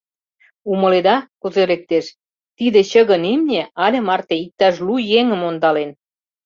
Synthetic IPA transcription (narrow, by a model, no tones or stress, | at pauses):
umɤ̆led̪ɑkuzelek̚t̪eʃ | t̪id̪ĕt͡ɕə̆ɣə̆nimnʲeɑlʲĕmɑrt̪eik̚t̪ɑʃ̬lujeŋə̆mond̪ɑlen